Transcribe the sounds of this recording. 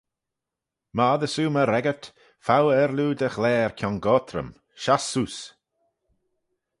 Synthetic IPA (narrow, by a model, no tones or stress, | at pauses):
maðəsuːməɾɛɡət̪ | fawɛɾluːd̪əxlɛːɹkʰjɔnɡɔːt̪ʰɾə̰m | ʃasuːs